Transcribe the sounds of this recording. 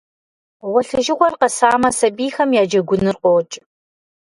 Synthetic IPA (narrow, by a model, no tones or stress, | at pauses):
wɔɬɨʒɪʁʷɔrqɐsaːmɐsɐbiːxɐmjaːd͡ʒɐɡʷʊnɨrqʷʼɔːt͡ʃʼ